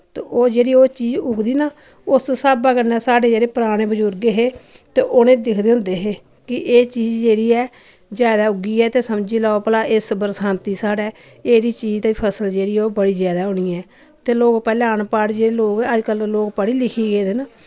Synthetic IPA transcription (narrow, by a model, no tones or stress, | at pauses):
t̪eʔoːd͡ʒeːɽiːoːt͡ʃiːd͡ʒʊɡd̪iːnaː | ʊssaːbəɡəɾnɛːsaːɖeːd͡ʒeːɽeːpəɾaːɽ̃eːbəd͡ʒʊɾɡeːɦeːt̪eːʔonẽːd̪ɪkʰd̪eːʊ̃nd̪eːɦeː | kɪʔeːt͡ʃiːd͡ʒd͡ʒeːɽiːɛː | zjaːd̪aːʊɡiːɛːt̪eːsəmd͡ʒiːlaːopəlaːʔɪsbəɾsaːnt̪iːsaːɖɛː | eːɾiːt͡ʃiːd͡ʒt̪aːiːpʰəsəld͡ʒeːɽiːoːbəɽiːzjaːd̪aːʊniːɛː | t̪eːloːɡpɛːlɛːənpaːɽd͡ʒeːeloːɡəd͡ʒkəlloːɡpəɽiːlɪkʰiːɡeːd̪enaː